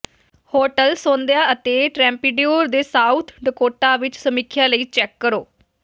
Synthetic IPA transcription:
hoːʈəlsõːnd̪jaːət̪eːʈɾɛ̃ːmpiːɖijuːɾd̪eːsaːut̪ʰɖəkoːʈaːʋɪt͡ʃsəmɪkʰːjãːləiːt͡ʃɛːkːəɾoː

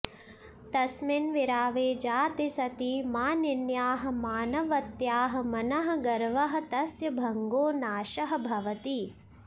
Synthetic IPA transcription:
t̪ɐsminʋiɾaːʋeːd͡ʒaːt̪isɐt̪imaːninjaːɦɐ̆maːnɐʋɐt̪jaːɦɐ̆mɐnɐɦɐ̆ɡɐɾʋɐɦɐ̆t̪ɐsjɐbʱɐŋɡoːnaːʃɐɦɐ̆bʱɐʋɐt̪i

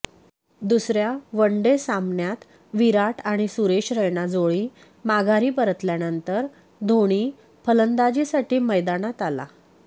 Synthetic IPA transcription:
d̪usɾjaʋəɳɖesamɳjat̪ | ʋiɾaʈʰaɽ̃isuɾeɕɾəjɳad͡zoɭiː | maɡʱaɾiːpəɾət̪ljanənt̪əɾ | d̪ʱoɽ̃iː | pələnd̪ad͡ʑisaʈʰiːməjd̪anat̪ala̰

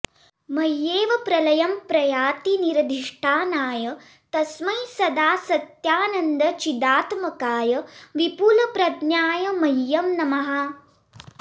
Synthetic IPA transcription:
mɐjːeːʋɐpɾɐlɐjɐmpɾɐjaːt̪iniɾɐd̪ʱiʂʈʰaːnaːjɐ | t̪ɐsmɐjsɐd̪aːsɐt̪jaːnɐnd̪ɐt͡ʃid̪aːt̪mɐkaːjɐʋipulɐpɾɐd̪njaːjɐmɐjːɐmnɐmɐɦɐ

